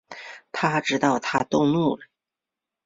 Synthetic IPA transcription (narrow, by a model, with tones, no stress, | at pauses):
t̪ʰa˥ʈ͡ʂɻ̩˥t̪ɑ˥˩ʊt̪ʰa˥t̪ʊ˥˧ŋnu˥˩lə˩